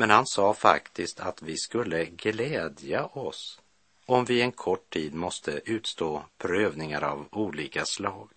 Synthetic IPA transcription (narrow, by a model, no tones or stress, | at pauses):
mɛnhansɑːfa̰kt̪ɪst̪ʰat̪vɪskɵlːəɡlɛːd̪jaʔɔs | ɔmvɪɛnkʰɔʈʰːiːd̪mɔst̪ʰəʔʉ̟ːt̪st̪oːpʰɾøːvnɪŋaɾa̰vuːliːkaslɑːɡ